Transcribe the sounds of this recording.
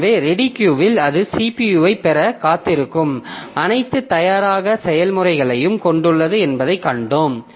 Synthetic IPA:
ʋeːɾɛɽɪkjuːʋɪlɐðɯsipijuːʋɐɪpɛɾɐkaːt̪ːɪɾɯkːɯmɐnɐɪt̪ːɯt̪ːɐjaːɾaːɣɐsɛjɐlmɯrɐɪɣɐɭɐjɯmkɔɳɖɯɭːɐðɯɛnbɐðɐɪkːɐɳɖoːm

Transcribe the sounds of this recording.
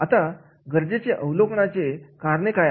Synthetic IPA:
at̪a | ɡəɾd͡ʑet͡ɕeʔəwlokɳat͡ɕekaɾɳekaj

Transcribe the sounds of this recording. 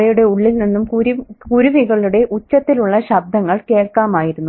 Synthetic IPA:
ɐjuɽe̞uɭːilninːumkɾkuɾuʋiɣɐɭuɽe̞ʔut͡ɕːɐt̪ːiluɭːɐɕɐb̚d̪ʱɐŋːɐɭke̞ːɭkaːmaːjiɾunːu

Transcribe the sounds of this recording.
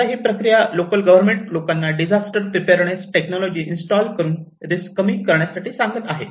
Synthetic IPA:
aɦiːpɾəkɾijalokəlɡəʋəɾmeɳʈlokanːaɖid͡ʑʱasʈəɾpɾipeɾɳ̃esʈeknɔlɔd͡ʑiːʔinsʈɔlkəɾuːn | ɾiskəmiːkəɾɳjasaʈiːsaŋɡət̪aɦe

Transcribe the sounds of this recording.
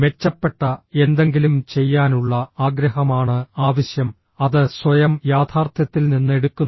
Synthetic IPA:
ʋe̞t͡ɕːɐpːe̞ʈːɐe̞nd̪e̞ŋɡilumt͡ɕe̞jːaːnuɭːɐaːɡɾɐɦɐmaːɳɨaːʋɐɕjɐm | ɐðɨswɐjɐmjaːt̪ʰaːrt̪ʰjɐt̪ːilninːe̞ɽukːun

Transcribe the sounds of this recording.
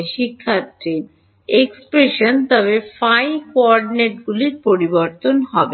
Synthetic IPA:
ʃikʰːat̪ɾiɾ | ekspɾeʃont̪ɔβefajkoɔɾɖneʈɡuliɾpoɾiboɾt̪onɦɔbe

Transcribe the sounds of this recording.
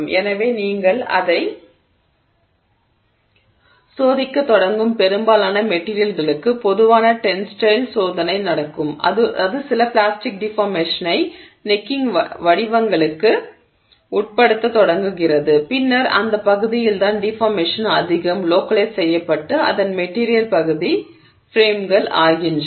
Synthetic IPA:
mɛnɐʋeːniːŋɡɐɭɐ̰ðɐɪ | soːðɪkːɐt̪ːɔɽɐŋɡɯmpɛɾɯmbaːlaːnɐmɛʈːiːɾɪjɐlɣɐɭɯkːɯpɔðɯʋaːnɐʈɛnsʈɐɪlsoːðɐnɐɪnɐɽɐkːɯmɐ̰ðɯɐðɯsɪlɐplaːsʈɪk̚ɖɪfaːɾmeːʂɐnɐɪ | nɪkːɪŋʋɐɽɪʋɐŋɡɐɭɯkːɯ | ʊʈ̚pɐɽɯt̪ːɐt̪ɔɽɐŋɡɯɣɪrɐðɯpɪnːɐɾɐ̰nd̪ɐpːɐɣɯðɪjɪlt̪aːnɖɪfaːɾmeːʂɐnɐðɪɣɐmloːkɐlessɛjːɐpːɐʈːɯɐ̰ðɐnmɛʈːiːɾɪjɐlpɐɣɯði | fɾeːmɡɐɭa̰ːɣɪn

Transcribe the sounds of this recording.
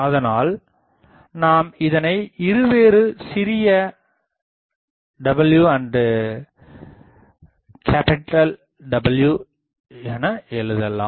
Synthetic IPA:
ɐðɐnaːl | naːmɪðɐnɐɪɪɾɯʋeːɾɯsɪɾɪjɐ | ɖɐbɐljuːɐɳɖ | kʰaːpɪʈːɐl | ɖɐbɐljuː | ɛnɐɛɭɯðɐlːa̰ːm

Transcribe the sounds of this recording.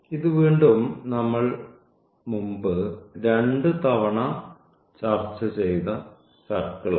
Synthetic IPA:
iðuʋiːɳɖumnɐmːɐɭ | mumbɨɾeɳɖɨt̪ɐʋɐɳɐ | t͡ɕaːrt͡ɕːɐt͡ɕejt̪ɐ | sɐrkːɐɭɐ̰

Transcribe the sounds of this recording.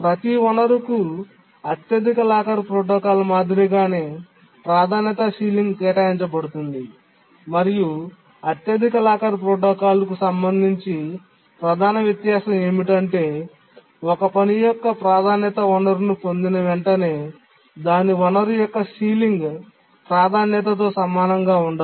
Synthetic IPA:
pɾɐt̪iɔnɐɾuku | ɐt̪jɐd̪ʱikɐlaːkɐɾpɾoːʈɔːkaːlɐmaːd̪ʱiɾiɡaːneː | pɾaːd̪ʱaːnjɐt̪ɐsiːliŋɡt̪ɛːʈaːiɲt͡ʃɐbɐɽut̪und̪i | mɐɾiju | ɐt̪jɐd̪ʱikɐlaːkɐɾpɾoːʈɔːkaːlɐkusɐmbɐnd̪ʱiɲt͡ʃi | pɾɐd̪ʱaːnɐʋjɐt̪jaːʃɐme̞ːmiʈɐɳʈe̞ː | ɔkɐpɐnijɔkːɐpɾaːd̪ʱaːnjɐt̪ɐʋɔnɐɾunupond̪inɐʋeɳʈɐne̞ː | d̪aːniʋɔnɐɾujɔkːɐsiːliŋɡ | pɾaːd̪ʱaːnjɐt̪̬ɐt̪̬o̞ːsɐmaːnɐŋɡaːuɳɖɐ

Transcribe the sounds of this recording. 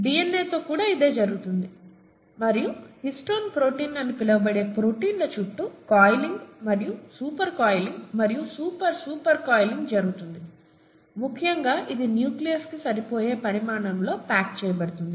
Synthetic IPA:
biːenːeːt̪o̞ːkuːɽaːid̪e̞ːd͡ʒɐɾuɡut̪und̪i | mɐɾijuhisʈoːnpɾo̞ːʈiːnːɐnːipilɐʋɐbɐɽe̞ːpɾo̞ːʈiːnlot͡ʃuʈːukaːjliŋɡmɐɾijusuːpɐɾkaːjliŋɡmɐɾijusuːpɐɾsuːpɐɾkaːjliŋɡd͡ʒɐɾuɡut̪und̪i | mukʰːijɐŋɡaːʔid̪injuːklijɐɾskisɐɾipo̞ːje̞ːpɐɾimaːɳɐmlo̞ːpaːk̚t͡ʃɛːjɐbɐɽut̪und̪i

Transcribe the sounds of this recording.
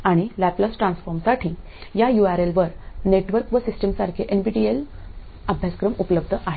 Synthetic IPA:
aɽ̃ilæpləsʈɾãnsfɔɾmsaʈʰĩː | jajuaɾelʋəɾneʈʋəɾkʋəsisʈəmsaɾkʰeʔenbiʈiel | abʱjaskɾəmupləb̚d̪ʱəʔaɦe

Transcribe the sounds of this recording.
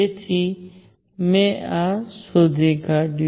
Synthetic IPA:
et̪ʰi | mẽasod͡ʒʱeɡaɖ

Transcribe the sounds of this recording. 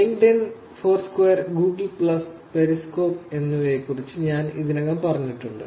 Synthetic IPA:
iŋɡɖen | foːrskwejɐrɡuːɡlpɭɐs | pe̞ɾisko̞ːpe̞nːuʋekːurit͡ɕːɨɲaːnḭðinɐɣɐmpɐrɐɲːiʈːuɳɖɨ̰

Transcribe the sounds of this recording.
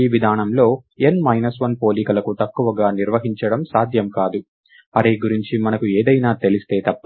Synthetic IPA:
iːʋid̪ʱaːnɐmlo̞ːenmɐjnɐsʋɐnpo̞ːliːkɐlɐkut̪ɐkːuʋɐɡaːniɾʋɐɦiɲt͡ʃɐɽɐmsaːd̪ʱjɐmkaːd̪u | ɐɾeːɡuɾiɲt͡ʃimɐnɐkueːd̪ɐjnaːt̪e̞list̪e̞ːt̪ɐpː

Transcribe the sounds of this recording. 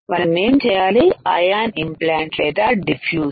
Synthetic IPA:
ʋɐnɐneːmt͡ʃɛjaːliaːjaːnimplaːɳʈleːʈ̪aːɖifʰjuː

